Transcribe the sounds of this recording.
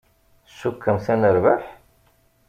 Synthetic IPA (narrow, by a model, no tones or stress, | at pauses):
sːukːəmθænəɾvaħ